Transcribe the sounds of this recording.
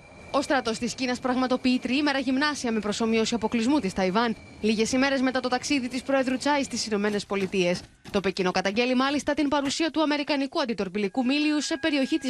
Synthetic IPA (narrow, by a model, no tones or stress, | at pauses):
o̞st̪ɾɐt̪o̞st̪iscinɐspɾɐɣmɐt̪o̞piit̪ɾiime̞ɾɐʝimnɐsiɐme̞pɾo̞so̞mio̞siɐpo̞klizmut̪ist̪ɐivɐn | liʝe̞sime̞ɾe̞zme̞t̪ɐt̪o̞t̪ɐksiðit̪ispɾo̞e̞ðɾut͡sɐjst̪isino̞me̞ne̞spo̞lit̪ie̞s | t̪o̞pecino̞kɐt̪ɐɲɟe̞limɐlist̪ɐt̪impɐɾusiɐt̪uɐme̞ɾikɐnikuɐnd̪it̪o̞ɾpilikumiliuse̞pe̞ɾio̞çit̪i